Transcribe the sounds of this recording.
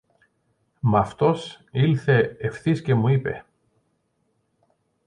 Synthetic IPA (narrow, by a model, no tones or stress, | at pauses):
mɐft̪o̞s | ilθe̞ːfθisce̞muipe̞̰